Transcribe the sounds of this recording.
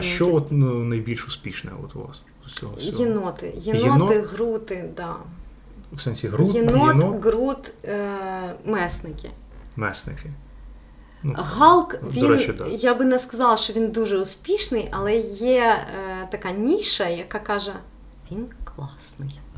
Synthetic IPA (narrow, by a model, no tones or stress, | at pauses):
ʃʃt͡ʃɔɔt̪nɐjbʲilʲʃʊspʲiʃnɛ̰ɔ̰t̪ʊ̰ʋa̰sɔt͡sʲsʲɔ̰ɦɔjɪnɔt̪ɪ̰jɪnɪɔnɔt̪ɪɣɾut̪ɪd̪a | fsɛnʲsʲiɦɾujɪnonɔɡɾut̪ | mɛsnɪkʲɪ̰ | mɛ̰snɪ̰kʲɪ | nɣalˠkvdʲiɔɾɛnɛd̪jabɨnɛskɐzɑlˠɐʃtɔʋʲind̪uʐɛʊspʲiʂnɨjʔɐlˠɛjɛt̪ɐkanʲiʃɐjɐkakːaʒɛ | ʋʲinklˠɑsnɪj